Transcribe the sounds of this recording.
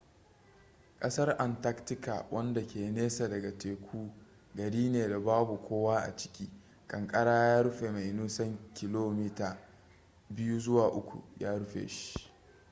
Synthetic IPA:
kʼɐ˦sɐ˦rʔa˨nta˦ktɪ˦ka̰˨wʔɐ˦nda˨kʲeː˨neː˦sa˨dɐ˨ɡa˨teː˨kʷʰuː˦ | ɡɐ˨ɽiː˦neː˨da˨baː˦bu˨kʷoː˦waː˦ʔa̰˨t͡ʃɪ̥˦kʲiː˦ | kʼɐ˨ŋkʼɐ˦ɽaː˦jaː˦ɽʊ˦ɸe˨ma˨jnuː˦sɐ˦ŋkʲɪ˨loː˦mi˦taː˨ | bɪ˦juː˦zʊ˦waː˨ʔʊ˦kʷṵ˨jaː˦ɽʊ˦ɸḛː˨ʃi̥˦

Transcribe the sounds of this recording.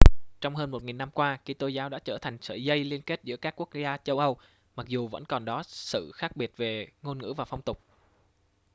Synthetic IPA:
t͡ɕɔ˧wŋ͡mɦəː˧nmo˨˩t̚ŋi˨˩nːa˧mkwaː˧ki˧t̪o˧zaː˨˦wɗa̰ː˧˥t͡ɕəː˧˩t̪ʰa˨˩jŋ̟sə̰ː˧˨˩zə˧jli˧ənke˦˥t̚zɨ̰˧˥əkaː˦˥kːu˦˥ək̚zaː˧t͡ɕə˧wʔə˧w | ma˨˩k̚zu˨˩və̰˧˥nkɔ˨˩nɗɔ˨˦sɨ̰˧˨xaː˦˥k̚ɓi˨˩ət̚ve˨˩ŋo˧nŋɨ̰˧˥vaː˨˩fa˧wŋ͡mt̪ʊ˨˩k͡p̚

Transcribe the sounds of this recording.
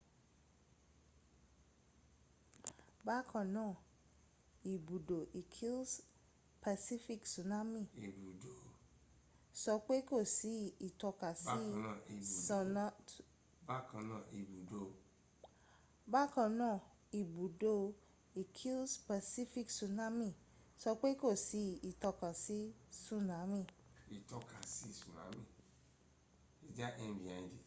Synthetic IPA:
ba˦kʰã˧nãː˦˨ | i˨bu˨do˨ʔi˨kʰi˦ls | pa˧si˦fi˦ksu˨na˦mĩ˦˨i˨bu˨do˨ | sɔ˧k͡pe˦ko˦˨si˨˦i˨tɔ˧ka˨sĩ˦˨i˨sɔ˧na˦ | ba˦kã˧nã˦˨i˨bu˨do˦˧ | ba˦˨kã˧nãː˦˨ | i˨bu˨do˦ | i˨kʰi˦lspa˨si˦fi˦ksu˧˨na˦mĩ˦˨ | sɔ˧k͡pe˦ko˦˨si˧i˨tɔ˧kã˨si˨˦sũ˦˨nã˨˦mĩ˦˨ | i˨tɔ˧ka˨si˦i˦˨sũ˨nã̰˨˦mĩ˦˨ | e˨d͡ʒa˦ʔɛ̃˧˨bi˨ã˨d͡ʒe˨

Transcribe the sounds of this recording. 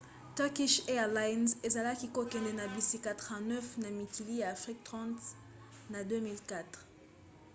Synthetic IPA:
tɛ˦ʁki˦ʃɛ˦la˦jnze˨za˨la˦ki˦ko˦kɛ̃˨nde˦na˨bi˨si˦ka˨tʁvɛ̃˨nœ˦fna˨mi˨ki˨li˦ja˨a˨fʁi˦k̚tʁɑ̃˦t | na˨dø˦mi˨lka˦t̪χ

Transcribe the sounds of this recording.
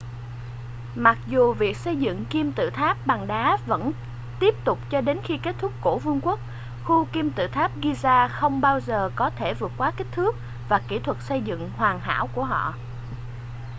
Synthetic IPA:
ma˨˩k̚zu˨˩vi˨˩ək̚sə˧jzɨ̰˧˨ŋki˧mt̪ɨ̰˧˨t̪ʰaː˦˥p̚ɓa˨˩ŋɗaː˨˦və̰˧˥n | t̪i˦˥əp̚t̪ʊ˨˩k͡p̚t͡ɕɔ˧ɗe˨˦nxi˧ke˦˥t̚t̪ʰʊ˦˥k͡p̚ːo˧˩vɨ˧əŋkwk̚ | xu˧ki˧mt̪ɨ̰˧˨t̪ʰaː˦˥p̚ɣi˧zaː˧xə˧wŋ͡mɓaː˧wzəː˨˩kɔ˨˦t̪ʰe˧˩vɨ˨˩ət̚kwaː˨˦ki˦˥k̟̚t̪ʰɨ˦˥ək̚ | vaː˨˩ki˧˩t̪ʰwə˨˩t̚sə˧jzɨ̰˧˨ŋhwaː˨˩ŋɦa̰ː˧˥wku˧˩əɦɔ̰˧˨

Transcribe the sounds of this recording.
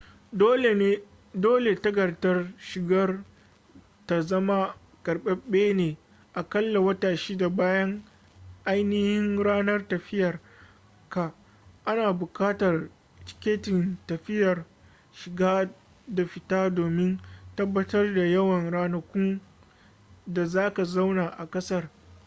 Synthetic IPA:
o˦˨e˦ | doː˦le˨tɐ˦ɡɐ˨rtɐ˦rʃɪ˨ɡɐ˦r | ta˨zɐ˦ma˦ | kɐ˨rɓɛ˦ɓeː˦neː˨ | ʔa˨kɐ˦lːa˨wɐ˦taː˨ʃiː˦da˨baː˦jɐ˦ŋ | ʔa˦jnɪ˦hɪ˦ŋɾaː˦nɐ˦rtɐ˨ɸɪ˦jɐ˨r | ka˨ | ʔa˦naː˨bʊ˨kaː˦tɐ˨r | t͡ʃɪ̥˦kʲeː˦tɪ˨ntɐ˨ɸɪ˦jɐ˨r | ʃɪ˨ɡaː˦ | da˨ɸɪ˨taː˦doː˨mɪ˦ntɐ˦bːɐ˦tɐ˦rda˨jɐ˦wɐ˨nɽaː˦nɐ˦kʷʊ˦ŋ | da˨zaː˦ka˨za˦wnaː˨ʔa˨kʼɐ˦sɐ˦r

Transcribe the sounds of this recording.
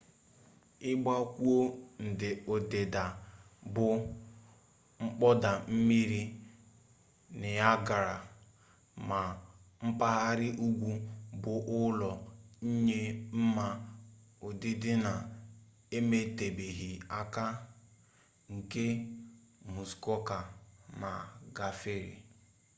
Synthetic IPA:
ɪ˦ɡ͡ba˦kʷu˦o˦n̩˨dɪ˨o˨de˨da˨ | bʊ˨ | ŋ͡m̩˦k͡pɔ˦da˨m̩˦mi˦ɾi˦ | nɪ˨ja˦ɡa˨ɾa˨ | ma˨m̩˦pa˦ɦa˦ɾɪ˦ʔu˦ɡʷu˦bʊ˨ʔʊ˦lɔ˨ɲ̩˦ɲe˦m̩˦ma˦ | ʊ˨dɪ˦dɪ˦na˨ | e˦me˦te˨be˨ɦi˨a˦ka˦ | ŋ̩˨ke˦ | mu˨skɔ˦ka˨na˨ɡa˨fe˦ɾḭ˨

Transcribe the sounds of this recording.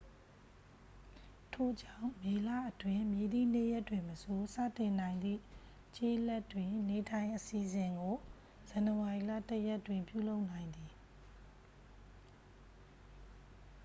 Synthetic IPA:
tʰo˨d͡ʑã˦˨ʊ̃me˨lä̰˦˨ʔətwɪ̃˨mje˨d̪ḭ˦˨n̥e˦jɛ˦tːwɪ̃˨məso˨sä̰˦˨tɪ̃˨n̥ã˨ɪ̃nd̪ðḭ˦˨ | t͡ɕḛ˦ʔlɛ˦tːwɪ̃˨ne˨tʰã˨ɪ̃ʔəsi˨zɪ̃˨ŋɡo˨ | z̥ã˨nəwa˨i˨la̰˦˨təjɛ˦ʔtwɪ̃˨mpjṵ˦˨lo˦ʊʔn̥ã˨ɪ̃nd̪i˨

